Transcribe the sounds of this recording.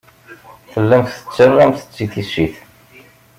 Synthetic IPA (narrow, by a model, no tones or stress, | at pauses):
θəlːæmθθə̥t͡sːərːæmθə̥t͡sːiθisːiθ